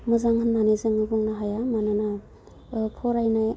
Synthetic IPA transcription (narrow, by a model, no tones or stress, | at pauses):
mɯzaŋhɯnːanezɯŋɯbuŋnaɦajamanɯna | pʰɔɾajnaj